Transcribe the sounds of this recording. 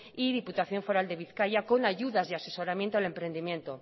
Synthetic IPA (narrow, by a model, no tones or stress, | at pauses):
iðiput̪aθjo̞ɱfo̞ɾald̪e̞β̞iθkajako̞naʝuðazðease̞so̞ɾamjent̪oale̞mpɾe̞nd̪imje̞nt̪o̞